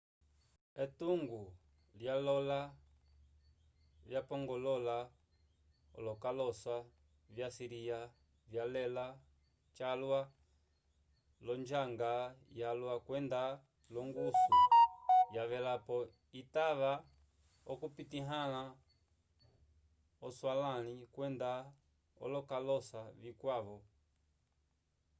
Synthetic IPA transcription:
ɛtuŋɡu | ljalɔla | vjapɔŋɡɔlɔla | ɔ̰lɔkalɔswa | vjasiɾia | vjalɛla | t͡ʃalwa | lɔnd͡ʒaŋɡajalwakwɛnda | lɔŋɡusujaʋɛlapɔ | itaʋa | ɔkupitiɦana | ɔswalanikwɛnda | ɔ̰lɔkalɔsavikwaʋɔ

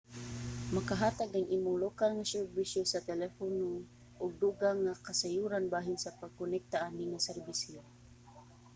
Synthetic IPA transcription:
makaɦaːt̪aɡaŋʔiːmʊŋlokalŋasɛɾbisjosat̪ɛlɛfono | ʔʊɡ̚d̪uːɡaŋakasajuːɾanbaːɦɪnsapaɡ̚kʊnɛk̚t̪aʔaniŋasɛrbɪsjo

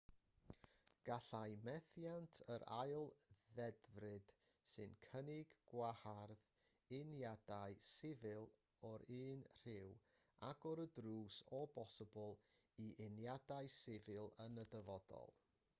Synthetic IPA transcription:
ɡ̥aɬajmɛθjantʰəɾa̰ɨlˠðɛdvrɨd̥ | sɨnkʰənɪɡɡwaharð | ɪnjadaɨsɪvɨlˠ | ɔɾɨːnr̥ɪw | aɡɔɾədruːsɔbɔsəblˠiʔɪnjadaɨsɪvɪlˠənədəvɔd̥ɔ̰lˠ

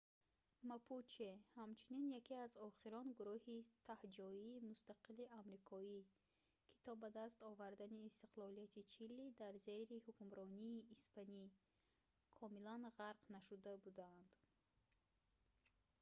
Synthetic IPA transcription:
mapʰut͡ʃehamt͡ʃʰuninjakiazɔχiɾɔnɡuɾuhit̪ʰahd͡ʒɔiːmust̪aqiliamɾikʰɔi | kʰi̥t̪ʰɔbad̪ast̪ɔvaɾd̪aniːst̪i̥qlˠɔlijat̪ʰit͡ʃʰilːid̪aɾzeɾihukumɾɔniːspani | kʰɔmilanʁaɾqnaʃud̪abud̪aːnd̪̥

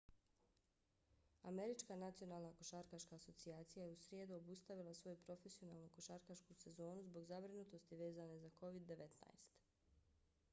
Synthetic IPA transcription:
a̰me̞ɾit͡ʃkanat̪sio̞naːlˠnako̞ʃaɾkaʃkaːso̞t̪siaːt̪sijajeusɾje̞ːd̪uobust̪aʋilˠasʋo̞jupɾo̞fe̞sio̞nalˠnukoʃaːɾkaʃkuse̞zo̞ːnuzbo̞ɡzabɾinut̪o̞st̪iʋe̞ːzane̞zako̞ʋid̪ːe̞ʋet̪na̰jst̪

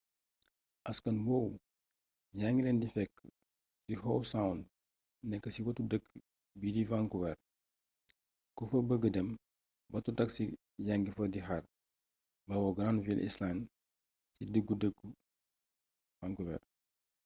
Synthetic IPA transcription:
ʔɐskɐnwɔw | jaŋɡilɛndifɛkː | dihɔwsawnd | nɛkːəsiwɐtudəkː | bidivaŋkuwɛr | kufɐbəɡədəm | bɐtutɐksi | jaŋɡifɐdiɦar | bɐwɔɡɾanvilʔḭslan | sidəɡːudəɡu | vaŋkuwɛ̰r

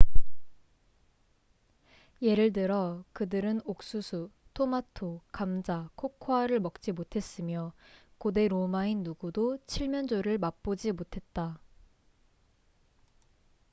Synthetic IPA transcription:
je̞ɾɯɭdɯɾʌkɯdɯɾɯnok̚s͈usʰu | tʰomatʰokamd͡ʑakʰokʰoaɾɯɭmʌk̚t͡ɕ͈imotʰe̞s͈ɯmjʌkode̞ɾomainːuɡudot͡ɕʰiɭmjʌnd͡ʑoɾɯɭmak̚p͈od͡ʑimotʰe̞t̚t͈a

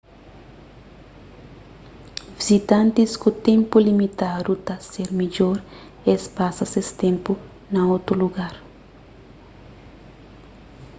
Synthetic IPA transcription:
vizit̪ãnt̪iskut̪ẽmpulimit̪ad̪ut̪aseɾmiʎoɾ | espasɐsest̪ẽmpu | nɐot̪ɾuluɡaɾ

